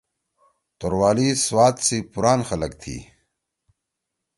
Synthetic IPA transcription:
t̪oɾwaːliswaːt̪sipuɾaːnxɐlɐkt̪ʰḭː

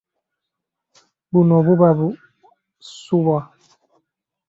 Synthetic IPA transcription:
bunɔbubabu | suβa

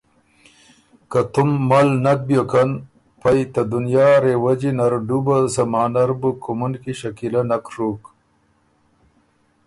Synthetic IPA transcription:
kɐt̪umːalnɐk̚bjokɐn | pɐjt̪ɐd̪unjaːɾewɐd͡ʑinɐɾɖubɐsɐmaːnɐɾbukumunkiɕɐkilɐnɐkɾuk

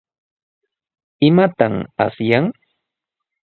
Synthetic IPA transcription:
ɪmat̪ama̰sjaŋ

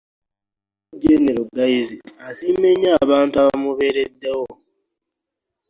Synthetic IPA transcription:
ɟeneɾuɡajiziasiːmeɲːaːβaːntaβamuβe̞ːɾedːewo

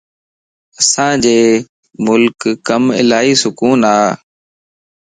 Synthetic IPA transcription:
əsãːd͡ʒeː | mʊlkːəmɪ̰laːiːsʊkuːnaː

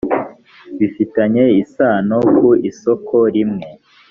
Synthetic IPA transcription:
βifitaɲe̞isaːnokuisokʰoɾimŋe̞

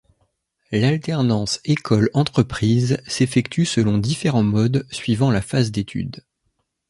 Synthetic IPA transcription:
lalt̪ɛʁnɑ̃sekʰɔlɑ̃t̪χəpχizsefɛkt̪ysəlɔ̃d̪ifeʁɑ̃mɔd̪sɥivɑ̃lafazd̪et̪ʰy̰d̪

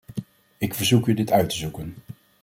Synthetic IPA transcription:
ɪkfəɹzukjədɪtœɥtəzukən

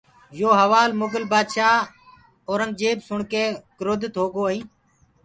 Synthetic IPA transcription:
joːɦəʋaːlmʊɡəlbaːd̪ʃaː | oːɾəŋɡ̚d͡ʒeːbsʊɳkeːkɾoːd̪ɪt̪ɦoːɡoːĩː

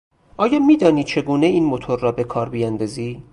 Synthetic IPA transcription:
ʔɒːjɒːmiːd̪ɒːniːt͡ʃʰe̞ɡuːne̞iːnmot̪ʰoɾːɒːbe̞kʰɒːɾbijænd̪ɒːziː

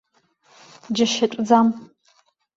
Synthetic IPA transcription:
d͡ʒɐʃɐtʷʼd͡zam

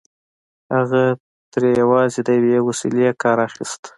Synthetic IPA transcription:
haɣa | t̪ɾejawɑzed̪əjawewasilekɑɾaxist̪

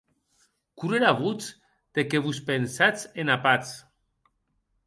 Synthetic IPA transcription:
kuɾeɾaβut͡s | d̪̥ekeβuspensat͡senapat͡s

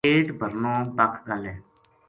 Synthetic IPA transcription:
eːʈbʱəɾnõːbəkʰɡəlɛː

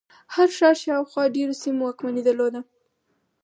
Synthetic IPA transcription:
haɾʃɑɾʃɑwxwɑɖeɾosimowɑkmanid̪əɾlod̪a

